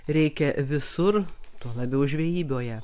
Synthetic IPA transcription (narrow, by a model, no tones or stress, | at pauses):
ɾʲɛɪkʲɛʋʲɪsʊrt̪uɔlˠɐbʲɛʊʒʲʋʲejiːbʲoːjɛ